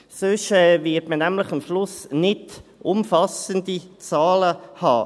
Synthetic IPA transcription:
søʃɛːvɪtmənæmləχəmʃlʊsnɪdʊmfɑsəndit͡sɑːləhɑ̰ː

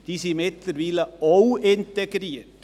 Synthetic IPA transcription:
d̥̪isimɛt̪əɾʋiːləowɪnt̪eɡɾiːt

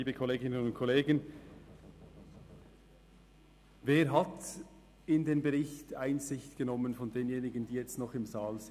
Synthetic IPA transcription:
iːbəkʰoleːɡɪnənʊnt̚kʰoleːɡən | veːɾɦat | ɪndeːmbəʁɪçtaɪnzɪçtɡ̥ənɔmənfɔndeːnjeːnɪɡən̩diːjɛt͡stnɔχɪmzaːlz

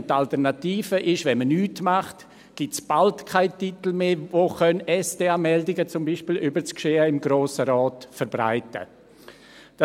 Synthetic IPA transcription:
tːaltɛɾnatiːfəʔɪʃvɛnmənyːtmaχt | ɡ̥ɪtt͡sb̥altkʰaɪtitl̩meːvoːxœnɛsd̥eaːmɛldɪɡət͡sʊmbiːʃpiːlʔybəɾt͡skʃeːəɪmɡɾoːsəɾɔːtfəɾbɾa̰ɪtə̰ | d̥

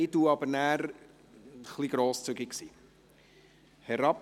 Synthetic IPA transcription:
ɪduɑbəɾnæːɾ | χliɡ̥ɾoːst͡syɡiksiː | hɛɾɑp

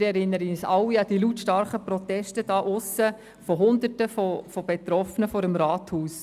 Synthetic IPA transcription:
ɾɛɾɪnːəɾəsɑʊwːiɑd̥ilutʃtɑɾχəpɾɔt̪ɛʃtəd̥ɑːʔʊsːə | fɔɦʊnd̪ətəfɔfɔb̥ɛt̪ɾɔfənəfɔːɾəmɾɑːt̪huːs

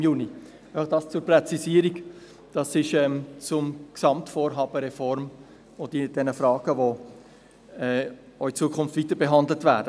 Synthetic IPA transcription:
juːni | aɪfɑχd̥ɑːst͡sʊɾpɾɛt͡sisiːəɾiɡ | d̥ɑsɪʃɛmt͡sʊmksɑmtfoːɾɦɑːbəɾɛfɔɾm | od̥id̥ɛnəfɾɑːɡ̥əvo | ɛː | oit͡suəkʰʊnftviːtəɾbeɦɑndlətvæːd̥ə

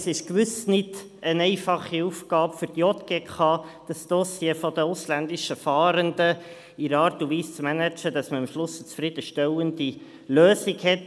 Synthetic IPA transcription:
sɪʃkʋʏsnɪd | ənɛɪfɑχiufɡ̥ɑːpfʏɾd̥iɔt̪ɡ̥eːkʰɑːd̥ɑsd̥̪ɔsjefɔd̪əʊslænd̪ɪʃəfɑːɾəndə | ɪɾɑːɾtuʋiːst͡smɛnæt͡ʃəd̥̪ɑsməɑmʃlʊsət͡sfɾɪd̥əʃtɛwənd̥̪i | løːsɪkhɛt

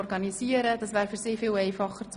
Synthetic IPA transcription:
ɾɡɑniziəɾədɑsʋæːɾfyɾsɪːfɪːlɛɪfɑχːəɾt͡s

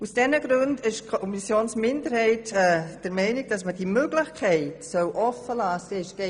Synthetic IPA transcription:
usd̥ɛnəɡɾʉndɪʃkʰɔɔmisjoːnsmɪndəɾhɛɪtɛd̥əɾmɛɪnɪɡ̚d̥ɑs̬məd̥imøɡ̥lɪxkʰɛɪtsœwʔɔfəlaːsɪʃɡ̥ɛ

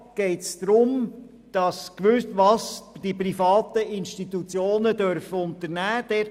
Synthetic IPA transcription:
ɡ̥ɛɪtsd̪̥ɾʊm | d̥ɑskʋʉʋɑsd̥iprifɑːt̪əɪnʃtit̪ut͡sjoːnədœɾfəʊnt̪əɾnæːd̥ɛ

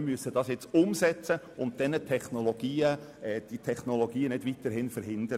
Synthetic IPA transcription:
myəsəd̥ɑsjɛt͡sʊmsɛt͡sə | ʊnt̚d̥ɛnətʰɛχnoloɡ̥iːəɛːd̥itʰɛχnoloɡiːənɪdʋitəɾɦhɪnfəɾɦɪndəɾə

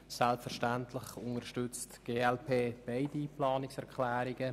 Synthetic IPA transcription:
sɛlpfɛɾʃtɛntʰlɪχʊnəɾʃtʏt͡stɡ̥eːɛlpʰeːb̥eɪdiplɑːnɪksɛʁkʰlɛːɾɪɡə

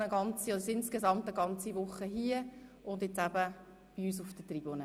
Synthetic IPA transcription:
əɡɑnt͡siɔdsɪnskezɑmt̪əɡɑnt͡siʋʊχːəɦiəʔʊnd̪jet͡sæb̥ə | b̥iyːs̬ufd̥ətrib̥onə

